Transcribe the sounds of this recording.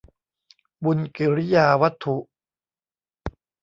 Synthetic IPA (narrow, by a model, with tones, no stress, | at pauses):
bu˧nki˨˩ɾi˦˥jaː˧wa˦˥t̪ʰːu˨˩ʔ